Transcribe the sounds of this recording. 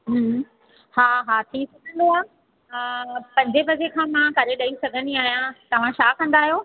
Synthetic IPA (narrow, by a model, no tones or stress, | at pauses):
ɦ | haːɦaːt̪ʰiːsɐɡʱə̃nd̪oaː | pɐ̃ɲd͡ʑebɐd͡ʑekʰãːmãkɐɾeɗɐisɐɡʱəniaːɦijãt̪ɐʋ̤ãʃaːkɐ̃nd̪aːɦjoː